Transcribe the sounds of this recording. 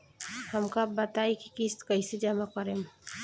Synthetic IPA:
həmkabət̪aiki̥kiskəised͡ʒəmakəɾem

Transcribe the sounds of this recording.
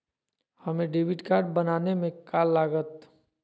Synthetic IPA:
hɐmẽɖeːʋɪʈkaːɾɖ̚bənaːnemẽkaːlːaːɡət̪

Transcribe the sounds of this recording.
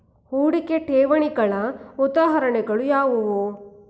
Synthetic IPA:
huːɽikeʈeːʋɐɳiɡɐɭɐud̪aːɦɐɾɐɳɛɡɐɭujaːʋuʋo

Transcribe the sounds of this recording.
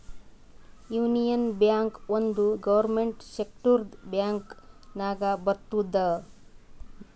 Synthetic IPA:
juːnijɐnbjaːŋkond̪uɡɐʋɐɾmeɳʈsek̚ʈuɾd̪bjaːŋknaːɡabɐɾt̪ːud̪ɐ

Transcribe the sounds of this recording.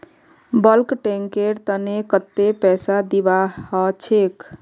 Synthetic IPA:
bəlkʈeŋkeɾt̪ənekət̪ːepɛsad̪ibahɔt͡ʃʰek

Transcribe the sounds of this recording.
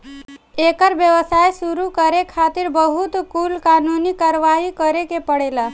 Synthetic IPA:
ekəɾʋjəʋəsajsuɾukəɾekʰat̪ɪɾbəɦut̪kulkaːnunikaːɾəʋaɦikəɾekepəɽela

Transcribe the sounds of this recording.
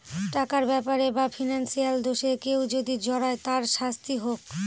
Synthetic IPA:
ʈakaɾbɛpaɾebafʰinansijald̪oʃekewd͡ʑod̪id͡ʑɔɾaet̪aɾʃast̪iɦok

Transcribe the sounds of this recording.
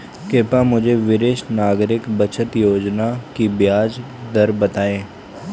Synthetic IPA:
keːpamʊd͡ʒʱeʋɪɾeːʃnaːɡɾɪkbət͡ʃʰət̪joːd͡ʒnakibjaːd͡ʒ | d̪ɐɾbɐt̪aːẽː

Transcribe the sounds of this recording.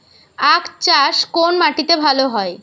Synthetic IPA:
akt͡ɕaʃkonmaʈit̪ebʱaloɦɔe

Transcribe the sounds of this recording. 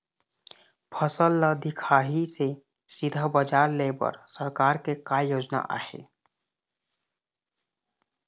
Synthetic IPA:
pʰəsəlːəd̪ikʰaːɦise | sɪd̪ʱəbəd͡ʒaːɾlebə̰ɾsəɾkaːɾkekajoːd͡ʒna̰ʔa̰ːhḛ

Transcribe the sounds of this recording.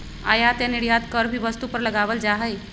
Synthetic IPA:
a̰jat̪eniɽjat̪kəɾbʱibəst̪upəɾləɡabəld͡ʒaɦəj

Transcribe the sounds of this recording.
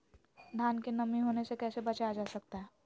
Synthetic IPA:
d̪ʱankenəmiɦonesekɛːsebət͡ʃaad͡ʒasəkt̪aɦɛ

